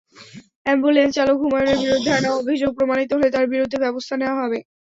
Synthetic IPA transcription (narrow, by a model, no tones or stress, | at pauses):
ɛmbulent͡ɕalok̚bʱumaoneɾbiɾod̪ʱːeanaobʱid͡ʑoɡ̚pɾomanit̪oɦolet̪aɾbiɾod̪ʱːebɛbost̪ʰaneoaɦɔbe